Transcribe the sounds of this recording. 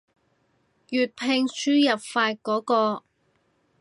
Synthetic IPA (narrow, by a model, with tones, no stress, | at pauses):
jyː˨t̚pʰe˧ŋsyː˥jɐ˨p̚faː˧t̚kɔː˨˥kɔː˧